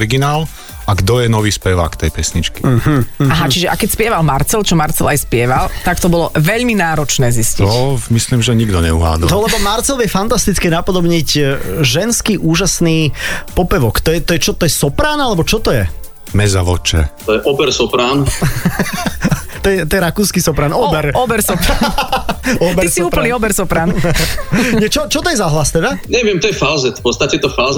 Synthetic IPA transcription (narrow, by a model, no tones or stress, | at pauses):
ɾiɡinaːl | aɡd̪ɔjɛnɔʋiːspɛʋa̰ːkt̪ɛjpɛsɲit͡ʃkiaɦat͡ʃiʒɛʔakɛcspɪɛʋalmaɾt͡sɛlt͡ʃɔmaɾt͡sɛlajspɪɛʋalt̪akt̪ɔbɔlɔʋɛʎminaːɾɔt͡ʃnɛːzisciɔmisliːmʒɛɲiɡd̪ɔɲɛuɦa̰ːd̪ɔnɔlɛbɔmaɾt͡sɛlʋjɛfant̪ast̪it͡skɛːnapɔd̪ɔbɲiɟʒɛnskiːʔuːʒasniːpɔpɛʋɔkt̪ɔjɛt̪ɔjɛt͡ʃɔt̪ɔjɛsɔpɾaːnalɛbɔt͡ʃɔt̪ɔjɛ | mɛza̰ʋɔ̰t͡ʃɛ̰t̪ɔjɛʔɔbɛɾsɔpɾaːn | t̪ɔjɛt̪ɔjɛɾakuːskisɔpɾaːnɔbɛɾɔbɛɾsɔp | ɔbɛisiuːpl̩niːɔbɛɾsɔpɾaːn | ɲɛt͡ʃɔt͡ʃɔt̪ɔjɛzaɦlast̪ɛd̪aɲɛʋɪɛmt̪ɔjɛfalzɛt̪pɔt̪st̪acɛt̪ɔfaːz